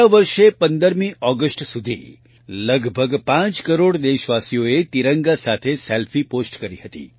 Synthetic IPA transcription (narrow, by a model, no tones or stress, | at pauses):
aʋəɾʃepənd̪əɾmĩʔɔɡəsʈsud̪ʱḭ | ləɡbʱəɡpãt͡ʃkəɾoɽd̪eʃʋasijoet̪iɾəŋɡasat̪ʰeselfʰiposʈkəɾiɦət̪ḭ